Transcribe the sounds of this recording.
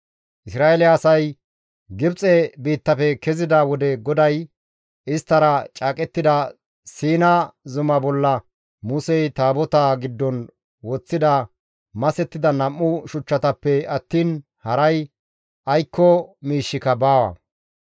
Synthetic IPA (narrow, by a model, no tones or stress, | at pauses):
ʔɪsɾaːelɛɐsɐj | ɡɪbt͡sʼɛbiːt̪ːɐfɛkɛzɪd̪ɐwɔd̪ɛɡɔd̪ɐj | ɪst̪ːɐɾɐt͡ʃʼaːkʼɛt̪ːɪd̪ɐ | siːnɐzʊmɐbɔlːɐ | mʊsɛjt̪aːbɔt̪aːɡɪd̪ːɔn | wɔt͡sːɪd̪ɐ | mɐsɛt̪ːɪd̪ɐnɐmːʊʃʊt͡ʃːɐt̪ɐpːɛɐt̪ːiːn | hɐɾɐj | ʔɐjkːɔmiːʃːɪkɐbaːwɐ̰